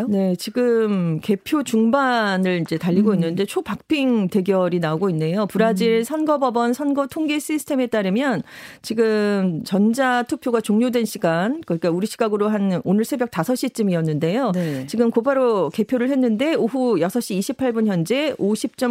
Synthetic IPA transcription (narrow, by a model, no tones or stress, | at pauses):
ne̞t͡ɕiɡɯmke̞pʰjot͡ɕuŋbanɯɭid͡ʑe̞taʎːiɡoinːɯnde̞t͡ɕʰopak̚pʰiŋte̞ɡjʌɾinaoɡoinːe̞jopuɾad͡ʑiɭsʰʌnɡʌbʌbʌnsʰʌnɡʌtʰoŋɡes͈ʰisʰɯ̥tʰe̞me̞t͈aɾɯmjʌnt͡ɕiɡɯmt͡ɕʌnd͡ʑatʰuk̚pʰjoɡat͡ɕoŋɲodwe̞nɕʰiɡankɯɲik͈auɾiɕʰiɡaɡɯɾoɦanonɯɭsʰe̞bjʌk̚t͈asʰʌɕ͈it͡ɕ͈ɯmiʌnːɯnde̞jot͡ɕiɡɯmkopaɾoke̞pʰjoɾɯɭhe̞nːɯnde̞oɦujʌsʰʌɕ͈iːɕʰipʰaɭbunçjʌnd͡ʑe̞oɕʰip̚t͡ɕ͈ʌ